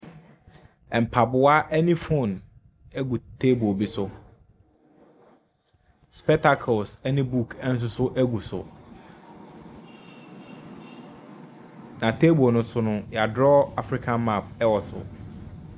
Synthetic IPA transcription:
ɛ˨m̩˨pʰa˨bʊ˨˦a˦ʔɛ˦nɪ̃˦fo˦˨n | æ˦ɡu˨tʰe˦bu˨bi˦sʊ˨ | spɛ˦k̚tʰa˦kʰo˨lsɛ˦nɪ̃˦bu˦˨kʰɛ˦n̩˦s̬ʊ˦sʊ˦ʔæ˦ɡu˨sʊ̰˨ | nã˨tʰe˦bo˨nʊ̃˦sʊ˦nʊ̃˦jɛ˨a˨dɾɔ˦a˨fɾi˦kʰã˨nma˦˨p̚ɛ˦wɔ˨sʊ̰˨

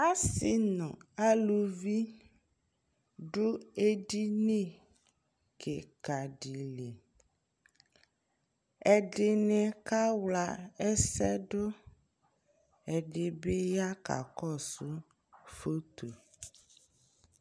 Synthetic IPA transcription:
a˦si˨nɔ̃˨a˦lu˨vi˦ | ɖo˦e˦ɖi˦nẽ˦˨ | kʰe˨ka˨ɖi˨le˨ | ɛ˨ɖe˨nɛ̃˨ka˦wla˨e˦sɛ˦ɖo˦ | ɛ˨ɖe˨be˦ja˦ka̰˨kɔ˦˨su˦ | fo˦t̪o˨

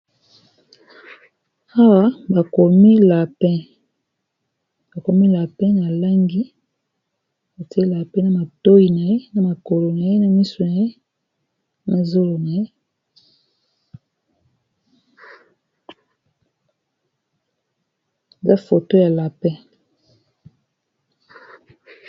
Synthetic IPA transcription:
a˦wa˦ba˨ko˨mi˦la˨pɛ˦ | b̥a˨ko˨mi˦la˨pɛ̃˦na˨la˦ŋɡi˦ | ba˨ti˦e˦la˨pɛ̃˦na˦ma˨to˦i˨na˨je˦na˦ma˨ko˨lo˨na˨je˦na˦mi˦so˨na˨je˦ | na˦zo˦lo˨na˨je˦ | e˨za˦fo˨to˦ja˨la˨pɛ̃˦

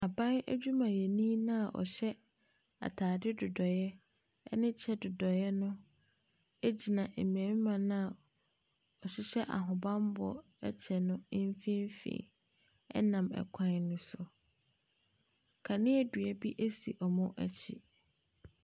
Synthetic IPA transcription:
a˨bã˦næ̰˦d͡ʑᶣu˦mã˨jɛ˨nĩ˦nã˦a˨ʔɔ̰˨ɕɛ˦ | a̰˨tʰaː˨dɪ˦dʊ˨dɔ˨jɛ˦ | ɛ̰˦nɪ̃˦t͡ɕʰɛ˦dʊ˨dɔ˨jɛ˦nʊ̃˦ | e˦d͡ʑi˨nã˨ʔe˨m˨æ̃˨mĩ˦mã˨nã˦a˨ | ɔ˨ɕɪ˦ɕɛ˦ʔa̰˨ɦʊ̃˨bã˦m˦bɔ˨ | ɛ˦t͡ɕʰɛ˨nʊ̃˦m˦fĩ˦m˦fḭ̃ː˨ | ɛ̰˦nã˨mɛ̰˨kʷʰã˦nnʊ̃˦sʊ˨ | kʰa˨nɪ̃˦æ˦dɥɛ˦bi˦ʔe˦si˨ʔɔ˨mʊ̃˦ʔæ˦t͡ɕʰḭ˨

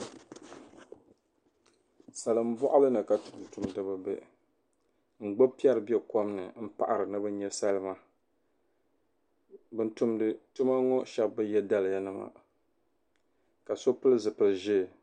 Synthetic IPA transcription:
sa˨lɨ˨m̩˦bɔ˦ʔʊ˦lɨ˦nɨ˨ka˨tu˨ku˨tu˨mdɨ˦ba˦bḛ˦ | ŋ͡m̩˨ɡ͡bo˦pi˦ɛ˦ɾɨ˨bi˦ɛ˦ko˦mnɨ˨m̩˦pa̰˨ʔa˨ɾɨ˨nɨ˦bɨ˦ɲɛ˦sa˦lɨ˦ma˦ | bɨ˦ntu˦mdɨ˦tu˦ma˦ŋɔ˦ʃɛ˦bːɨ˦jɛ˦da˦lɨ˨ja˦nɨ˨ma̰˨ | ka˨so˦pɨ˦lɨ˦zɨ˨pɨ˨lɨ˨ʒɪ˦˨

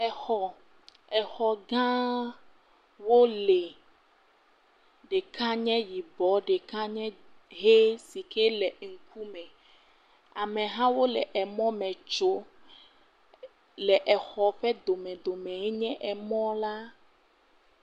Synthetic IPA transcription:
ɛ˨xɔ˨ | ɛ˨xɔ˨ɡã˦ | wo˦le˨ | ɖe˨kʰã˦ɲɛ̃˦ji˨bɔ˨˦ɖe˨kã˦ɲɛ̃˦ | ɦe˦si˨ke˦lɛ˨ŋ̩˨kʰu˦mɛ̃˨ | a˨mɛ̃˨ɦã˦wo˦lɛ˨ʔɛ˨mɔ̃˦mɛ̃˨t͡ʃo˦ | lɛ˨ʔɛ˨xɔ˨ɸɛ˦d̪o˨mɛ̃˨d̪o˨mɛ̃˨ɦe˦ɲɛ̃˦ʔɛ˨mɔ̃˦la˦

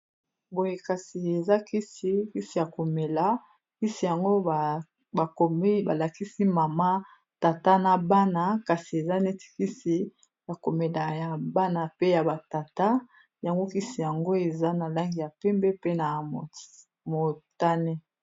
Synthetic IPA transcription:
bo˨je˨ka˨si˨e˨za˦ki˦si˦ki˦si˨ja˨ko˨me˨la˨˦ | ki˦si˨ja˨ŋɡo˦˨ | a˨o˨˦ba˨la˨ki˦si˦ma˨ma˦ | ta˨ta˦na˨ba˦na˨ka˨si˨e˨za˦ne˦ti̥˨ki˦si˨ | ja˨ko˨me˨la˨ja˨ba˦na˨pe˦ja˨ba˨ta˨ta˦ | ja˨ŋɡo˦ki˦si˨ja˨ŋɡo˦e˨za˦na˨la˦ŋɡi˨ja˨pɛ˦mbɛ˦pe˦na˨ | mo˨ta˦ne˦

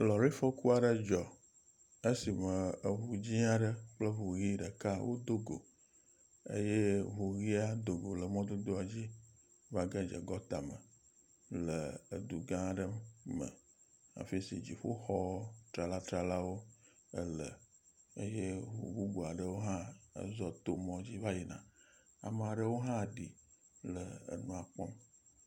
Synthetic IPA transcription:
lɔ˨ɾi˦fɔ˦ku˦a˨ɖə˦d͡ʒɔ˨ | ə˦si˨mə˨ə˨ɦu˨d͡ʑi˦a˦ɖə˦k͡plə˦ɦo˨ɣi˦ɖə˨ka˦wʔo˦d̪o˦ɡo̰˨ | ḛ˦je˦vo˨ɣi˦a˦d̪o˨ɡo˨lə˨mɔ̃˦d̪o˦d̪o˦a˨d͡ʑi˦ | va˦ɡa˦d͡ʒə̰˨ɡɔ˦t̪a˨mə˨ | lə˨ə̰˨d̪u˨ɡã˦˨ɖə˦mə̰˨ | a̰˨fi˦si˨d͡ʑi˨ɸo˦xɔ˦t̪ɾa˨la˦t̪ɾa˨la˦wo˦ | ə˦lə˨ḛ˦je˦wo̰˨bu˦ɡo˨a˨ɖə˦wo˦ɦã̰˦zɔ˦t̪o˨mɔ̃˦d͡ʑi˦va˦ji˨nã̰˨a̰˨me˨a˨ɖə˦wo˦ɦã˦˨ɖi˨ | lə˨ə̰˨nũ˦a˨k͡pɔ˦m

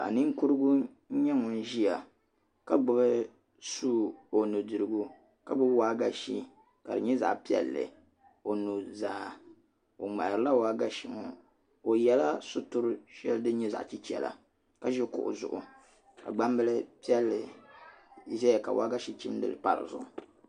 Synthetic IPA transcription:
a̰˨nɨ˦ŋ˦ku˦ɾɨ˦ɡu˦ | ɲɛ˦ŋɔ˨n˦ʒi˦a˨ | ka˦ɡ͡bʊ˦bɨ˦ | su˦o˨nu˨dɨ˨ɾɨ˨ɡu˦ | ka˦bʊ˦bwaː˦ɡa˦ʃi˦ | ka˨dɨ̰˨ɲɛ˦za̰˨pi˦ɛ̰˦lːɨ̰˨ | o˨nu˨zaː˨˦ | o˨ŋ͡ma˨ɾɨ˦la˦waː˦ɡa˦ʃi˨ŋɔ˨ | o˨jɛ˦la˦sʊ˦tʊ˦ɾʃɛ˦ldɨ˦ɲɛ˦za̰˨ʔt͡ʃi˦t͡ʃɛ̰˨la̰˨ | ka˦ʒɛ˦kʊ̰˨ʔʊ̰˨zʊ̰˨ʔʊ˨ | ka̰˨ɡ͡ba˦mbɨ˦lɨ˦pi˦ɛ˦lːɨ˨˦ | zɛ˦˨ka̰˨wa˦ɡa˦ʃi˦t͡ʃi˦mdɨ̰˨lɨ˨pa̰˨ɾɨ̰˨zʊ̰˦˨ʔʊ˨

